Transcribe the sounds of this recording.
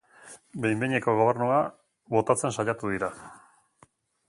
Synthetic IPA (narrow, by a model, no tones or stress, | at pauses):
be̞jmbeɲeko̞ɣ̞o̞β̞e̞ɾnua | βo̞t̪at͡se̞nsaʎat̪uðiɾa